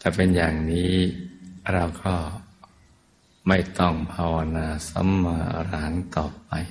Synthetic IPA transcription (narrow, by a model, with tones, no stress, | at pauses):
t̪ɛː˨˩pe˧njaː˨˩ŋniː˦˥˦ | ɾa˧wkʰɔː˥˩ | ma˥˩jt̪ɔ˥˩ŋpʰaː˧wa˧naː˧sa̰˧˦˥mːaː˧ɾaː˩˦ŋt̪ɔː˨˩p̚a˧j